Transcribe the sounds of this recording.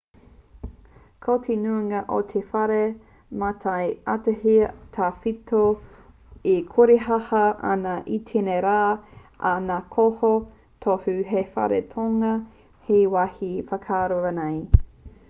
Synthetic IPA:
kʰot̪ʰenuŋɐʔo̰t̪ʰefɐɾe | matʰɐjatɐhit̪ʰafitʰo | ikʰuɾeɦɐhɐʔa̰nɐʔitʰeneɾaː | anakʰoho | tʰohʉɦefɐ̰ɾḛtʰoŋɐ | hejwahifɐkʰaːɾoɐnej

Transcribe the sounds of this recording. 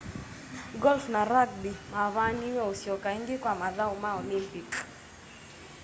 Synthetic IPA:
ɡɔlfnaɾak̚bimaβaniweosjɔkaiŋɡɪkwamaðawmaɔlɪmpik

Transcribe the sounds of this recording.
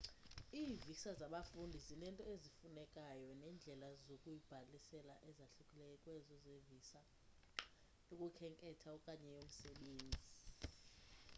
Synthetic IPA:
iːvisazaɓafundʱizinɛntʼɔezifunɛkʼajɔnɛːnd͡ɮʱɛlazokʼujib̥ʱalisɛlaʔɛzaɬukʼilɛjɔkʼwɛzɔzevisa | nokʼukʰɛŋkʼɛtʰaɔkʼaɲɛjom̩sɛɓeːnd͡zʱi

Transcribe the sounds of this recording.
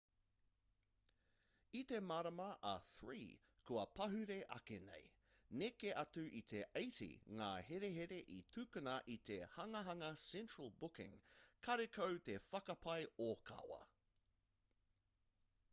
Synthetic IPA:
it̪e̞maːɾɐmɐʔɐθɹḭː | kʰuɐpɐɦʉɾe̞ʔɐ̰kenḛj | nekeʔɐtʉʔit̪ʰe̞ʔejtḭŋaːheɾeɦeɾe̞ʔit̪ʰʉkɨnɐʔit̪ehɐŋɐɦɐŋɐsɛ̃nt͡ʃɹɐlˠbʊkɪ̰̃ŋkʰɐɾekʰowt̪efɐkɐpʰɐjokʰɐ̰wɐ̰

